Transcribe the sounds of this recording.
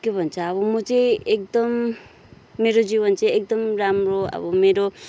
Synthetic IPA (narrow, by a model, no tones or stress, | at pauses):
kebʱʌnt͡sʰʌːβʌmʌt͡sʌ̃jek̚d̪ʌmː | eɾod͡ziβʌnt͡sʌjek̚d̪ʌmɾamɾoʌ̰bʌmeɾo